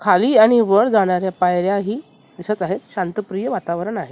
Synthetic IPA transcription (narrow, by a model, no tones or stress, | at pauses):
kʰaliːaɽ̃iʋəɽd͡zaɽ̃aɾjapajɾjaɦiː | d̪isət̪aɦet̪ɕãnt̪əpɾijəʋat̪aʋɾəɳaɦe